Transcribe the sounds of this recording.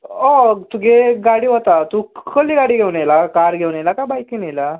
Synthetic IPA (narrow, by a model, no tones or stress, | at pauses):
ɔt̪uɡeɡaɽiːɦot̪at̪ukəliːɡaɽiːɡʱewnelakaɾɡʱewnelakabajkinejla